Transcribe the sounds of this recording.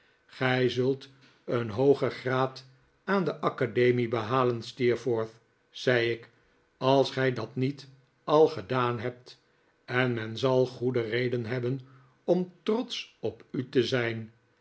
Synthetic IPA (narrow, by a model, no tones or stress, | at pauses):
χɛjzɵlˠt | ənɦowχəχraːt | aːndəʔɑkadejmibəɦaːlənstiɹfoːɹθ | z̥ɛjɪk | ɑlˠsχɛjdɑtnit | ɑlˠχədaːnɦɛp̚t | ɛnmɛnzɑlˠχudərejdənɦɛbən | ɔmtrɔt̪sɔpytəzɛjn